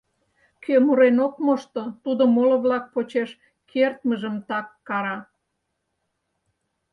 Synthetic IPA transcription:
kʰømuɾenokmoʃt̪ot̪ud̪omoloβlɑk̚pot͡ɕeʃ | kʰert̪̚məʒəmt̪ɑkːɑɾɑ

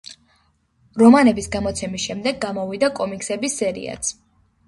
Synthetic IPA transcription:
ɾɔmanɛbisɡamɔt̪sʰɛmisʃɛmd̪ɛɡːamɔvid̪akʼɔmikʼsɛbisːɛɾḭa̰t̪sʰ

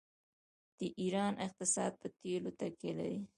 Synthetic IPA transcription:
d̪̥əʔiɾɑnʔɪq̚t̪ɪsɑd̪̚pət̪elot̪akela̰ɾi

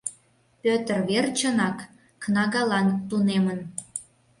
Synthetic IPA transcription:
pʲøt̪ərβert͡ɕənɑkː | nɑɣɑlɑnt̪unemən

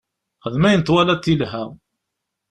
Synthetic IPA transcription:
χəðmæjənt̪walæt̪ːilɦæ

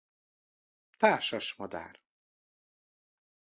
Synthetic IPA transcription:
t̪aːrʃɒʃmɒd̪a̰ːr

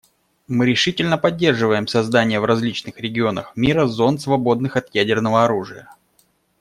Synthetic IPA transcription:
mɨɾʲɪʂɨtʲɪlʲnəpɐdʲːe̞rʐɨvəjɪmsɐzd̪anʲɪjəvrɐzʲlʲit͡ɕnɨxɾʲɪɡʲɪo̞nə̰xmʲiɾəzo̞nsvɐbo̞d̪nɨxɐt̪jædʲɪrnəvəɐɾuʐɨjə

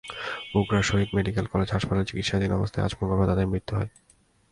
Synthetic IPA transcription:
buɡɾaʃoɦid̪meɖikelkɔled͡ʑɦaʃpaleɾt͡ɕikit̪ʃad̪inɔbost̪ʰaḛa̰d͡ʑmoŋɡobet̪ad̪eɾmɾit̪ːuɦɔe

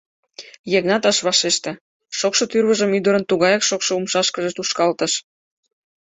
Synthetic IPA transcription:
jeɣnɑt̪ɑʃβɑʃeʃt̪ĕ | ʃokʃot̪yrβəʒəmyd̪əɾənt̪uɣɑjɑkʃokʃŏumʃɑʃkəʒə̆t̪uʃkɑlt̪əʃ

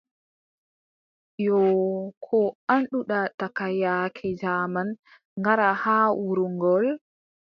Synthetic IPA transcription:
jɔkʰɔanɗuɗatakajakʰɛd͡ʒaman | ŋɡaɾahaːwuɾuŋɡɔl

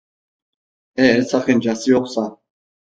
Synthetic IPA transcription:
ɛːsʰaχɛnd͡ʒasiɔχʷsa

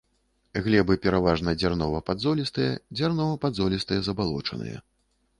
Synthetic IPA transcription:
ɣlʲɛbɨpʲɛɾavaʐnɐd͡zʲarnɔvɐpad̪zɔlʲist̪ɨjɛd͡zʲarnɔvɐpad̪zɔlʲist̪ɨjɛzɐbalˠɔ̰t͡ʂɐ̰nɨ̰jɐ̰

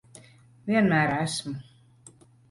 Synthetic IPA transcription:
vʲiɛnmæːɾaæsmu

